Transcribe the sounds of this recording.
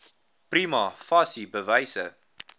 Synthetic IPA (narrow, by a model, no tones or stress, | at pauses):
pɾiːmɑfɑsibəvɐɪsə